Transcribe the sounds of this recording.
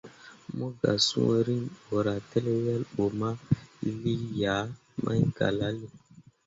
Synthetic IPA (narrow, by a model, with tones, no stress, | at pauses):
mo˦ɡa̰˨sṵ̃˦ɾi˦no˨ɾa˨te˦le˦ja˦lɓo˨ma˦li˦ja˨˦ | mʔa̰˦ɲɡa̰˨la˦li˦